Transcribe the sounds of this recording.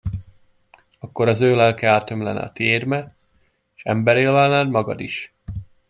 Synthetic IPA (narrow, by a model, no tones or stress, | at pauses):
ɒkːo̞ɾɒzøːlɛlkɛaːt̪ø̞mlɛ̰nɛ̰ɒ̰t̪iermɛ | eʃɛ̰mbɛɾeːlvaːnaːd̪mɒɡɒ̰d̪iʃ